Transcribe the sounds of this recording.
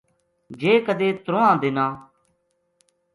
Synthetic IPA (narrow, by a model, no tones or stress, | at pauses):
d͡ʒeːkəd̪eːt̪ɾõːãːd̪ɪnãː